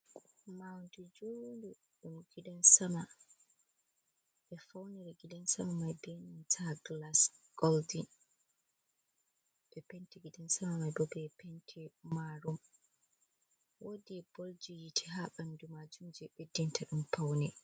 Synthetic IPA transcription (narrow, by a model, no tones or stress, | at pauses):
mawndud͡ʒondu | ɗumɡ̥idɔnsama | ɓɛfawniɾɛɡidɛnsamamajbenuntʰaɡlasɡ̥ɔldin | ɓɛpentiɡidɛnsamamajbɔbɛpentʰimaɾum | wodibold͡ʒijitʰi̥ɦaɓandumad͡ʒumd͡ʒɛɓedːintʰaɗumpawnɛ